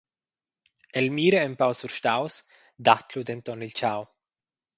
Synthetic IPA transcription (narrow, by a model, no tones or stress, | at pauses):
elmiːɾeːmpawsuɾʃt̪aws | d̪at̪lud̪ent̪ɔnilt͡ʃaw